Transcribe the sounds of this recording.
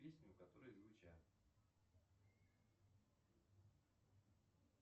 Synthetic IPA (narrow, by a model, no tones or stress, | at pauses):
pʲesʲnʲʊkɐt̪oɾəjzvɨt͡ɕæ